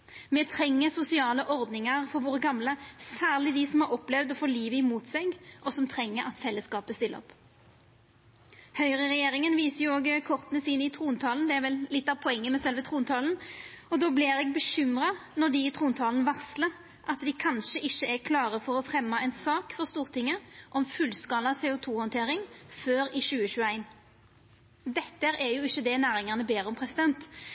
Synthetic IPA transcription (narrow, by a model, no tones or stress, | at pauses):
mɛːt̪ʰɾɛŋːəsʊsɪɑːləʔɔʁd̪nɪŋɑʁfɔɾʋoːʁəɡɑmləsæːʁlɪd̪ɪsɔmhɑʁɔplɛʋd̪ɔfoːliːʋəɪmuːt̪sɛɡʔɔsɔmt̪ʰʁɛŋːəɾɑt̪fɛlːəskɑːpəst̪ɪlə̰ɔ̰p | hœʏʁəʁɛjeːɾɪŋənʋiːsəjʊoːɡkʰɔʁt̪nəsiːnəɪt̪ʰɾuːnt̪ʰɑːln̩d̪ɛæʁʋɛllɪt̪ːɑʋpʰɔɛŋːəmɛsɛlʋət̪ʰɾuːnt̪ʰɑːln̩ɔd̪oːblɪɾɛɡ̚bəʃʏmʁɑnɔd̪ɪːt̪ʰʁuːnt̪ʰɑːln̩ʋɑʁslə | ʔɑt̪d̪ɪkʰɑnʃəʔɪçːəɛkʰlɑːʁəfɔʁɔfʁɛmːɑɛɪnsɑːkfɔʁst̪uːʁt̪ʰɪŋːəʔɔmfʉlskɑːlɑseːʊt̪ʰuːhɔnt̪ʰeːɾɪŋføːɾɪɕʉːəɕʉːəæɪn | d̪ɛt̪ːəɾɛjʊɪçːəd̪ɛnæːɾɪŋəʁnəbeːɾɔmpʰʁɛsɪd̪ɛnt̪